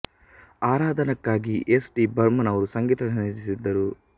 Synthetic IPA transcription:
aːɾaːd̪ʱɐnɐkːaːɡiʔesɖibɐɾmɐnɐʋɐɾusɐŋɡiːt̪ɐsɐnɐsisid̪ːɐɾu

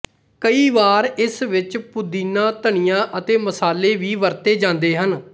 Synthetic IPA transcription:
kəiːʋaːɾɪsʋɪt͡ʃpʊd̪iːnãːt̪əɳ̃ɪjãːʔət̪eːməsaːleːʋiːʋəɾt̪eːd͡ʒãːnd̪eːɦən

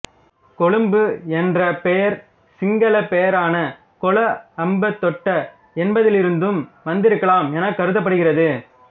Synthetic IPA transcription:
kɔɭɯmbɯɛndrɐpɛjɐɾ | sɪŋɡɐlɐpɛjɐɾaːnɐ | kɔɭɐɐmbɐt̪ːɔʈːɐ | ɛnbɐðɪlɪɾɯnd̪ɯmʋɐnd̪ɪɾɯkːɐɭaːmɛnɐkːɐɾɯt̪ːɐp̬ːɐɽɯɣɪrɐðɯ

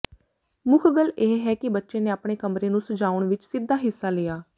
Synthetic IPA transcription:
mʊkʰɡəleːɦɛːkɪbətːʃeːneːaːpɽ̃eːkəmɾeːnũːsəd͡ʒaːʊɳʋɪt͡ʃsɪd̪ːaːɦɪsːaːleːaː

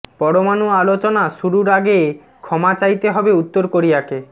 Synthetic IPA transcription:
pɔɽomanualot͡ɕonaʃuɾuɾaɡe | kʰɔmat͡ɕajt̪eɦɔbeut̪ːoɾkoɾijake

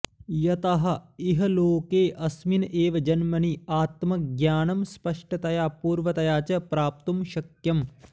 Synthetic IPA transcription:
jɐt̪ɐɦɐ̆iɦɐloːkeːʔɐsminʔeːʋɐd͡ʒɐnmɐniaːt̪mɐk̚ɡjaːnɐmspɐʂʈɐt̪ɐjaːpuːɾʋɐt̪ɐjaːt͡ʃɐpɾaːp̚t̪umʃɐkjɐm

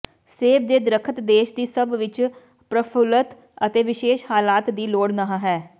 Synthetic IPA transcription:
seːb̚d̪eːd̪ɾəkʰət̪d̪eːʃd̪iːsəbʋɪt͡ʃ | pɾəpʰʊlət̪ | ət̪eːʋɪʃeːʃhaːlaːt̪d̪iːloːɽnəɦãːɦɛː

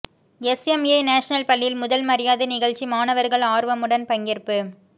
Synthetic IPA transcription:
ɛsɛmjɐɪnaːʂɐnɐlpɐɭːjɪlmʊðɐlmɐɾɪjaːðɯnɪɣɐɭt͡ʃːimaːnɐʋɐɾɣɐɭaːɾʋɐmɯɽɐnpɐŋɡɪrpɯ

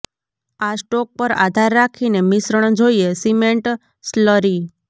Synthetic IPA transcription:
asʈɔk̚pəɾa̰d̪ʱaɾːakʰinemɪsɾəɳ̃d͡ʒoiesimeɳʈ | sləɾi

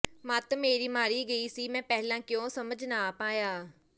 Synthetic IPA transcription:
mat̪meːɾiːmaːɾiːɡəiːsiːmɛ̃ːpɛɦlãːkɪjõːsəməd͡ʒnaːpaːjaː

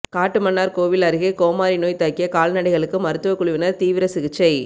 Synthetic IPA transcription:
kaːʈːɯmɐnːaːɾkoːʋɪlɐɾɯɣɐkoːmaːɾɪnoːjt̪ɐːkːɪjɐkaːlnɐɽɐɪɣɐɭɯkːɯmɐɾɯt̪ːɯʋɐkːʊɭʊʋɪnɐɾt̪iːʋɪɾɐsɪɣɯt͡ʃːɐɪ

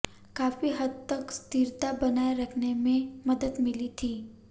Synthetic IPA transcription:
kaːfiɦɐd̪̚t̪ɐkst̪iɾt̪abɐnaːeɾɐkʰnemẽmɐd̪əd̪mɪlit̪ʰiː

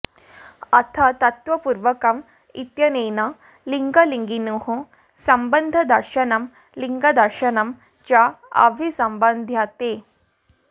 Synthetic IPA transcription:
at̪ʰat̪ɐt̪ʋəpuɾʋəkəm | it̪jənejna | liŋɡəliŋɡinuɦõ | sɐmbənd̪ʱəd̪əɾɕənəm | liŋɡəd̪əɾɕənəm | t͡ɕaa̰ʋʱisəmbənd̪ʱjat̪e

